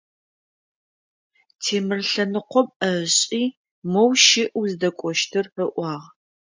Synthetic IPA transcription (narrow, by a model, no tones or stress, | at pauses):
tʰeːmɨrɬɐnɨqʷɔmɐɕʼiː | mowʃɪʔuzɨdɐkʷʼɔʃtʰɨrfɐʔʷɑːʁ